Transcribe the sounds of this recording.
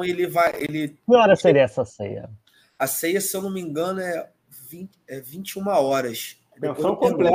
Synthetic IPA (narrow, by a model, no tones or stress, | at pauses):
ɐ̃w̃elɪvajʔelɪkɪɔɾɐseɾiɐɛsɐsḛjɐ̰ | ɐsejɐsewnomĩŋɡɐ̃nʊɛ | vĩ | ɛvĩnt͡ʃiũmɐɔɾɐs | d̪eẽsosɐ̃w̃kõplɛ